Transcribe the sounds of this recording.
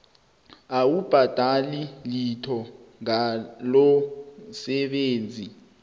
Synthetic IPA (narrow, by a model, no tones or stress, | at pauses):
awub̥ʱad̥ʱalilitʰɔ | ŋalɔsɛɓeːnd͡zʱi